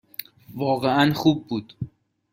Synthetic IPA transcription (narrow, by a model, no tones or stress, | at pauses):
vɒːɣeænχub̚ːuːd̪̥